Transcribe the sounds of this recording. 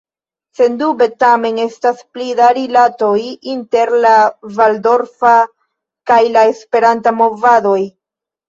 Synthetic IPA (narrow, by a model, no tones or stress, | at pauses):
se̞ndube̞tame̞ne̞stasplidaɾilato̞jinte̞ɾlavaldo̞ɾfa | kajlae̞spe̞ɾantamo̞vado̞j